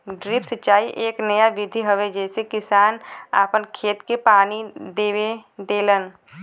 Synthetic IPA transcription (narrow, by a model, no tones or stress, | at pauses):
ɖɾiːpsətːt͡ʃaːiʔeːknəjaʋɪd̪ʱiɦəʋed͡ʒɛːsekɪsaːna̰ːpənkʰeːt̪kepaːnid̪eːʋed̪eːlən